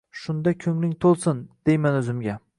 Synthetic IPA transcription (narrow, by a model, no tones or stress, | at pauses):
ʃʊnd̪akʲʰɵŋlɪŋt̪ʰolˠsɪnd̪̥ejmanɵzɪmɡʲa